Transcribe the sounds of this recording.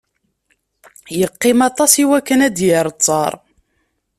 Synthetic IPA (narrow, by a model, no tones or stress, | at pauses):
jəqːɪmɑt̪ˤɑsiwækːənæd̪jəɾˤt͡sˤːɑ̰ɾˤ